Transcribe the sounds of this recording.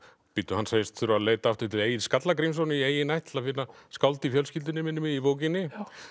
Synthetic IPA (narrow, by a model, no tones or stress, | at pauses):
pɪt̪ːʏhanseːjɪst̪θʏɾʏaðleːjt̪aaft̪ɪt̪ɪeːjɪðskat̪lakɾejmsownɪieːjɪnajht̪ɪ̥lafɪnaskawlt̪ɪifjœlscɪlt̪ɪnɪmɪnːʏmɪðivoːwcɪnːɪ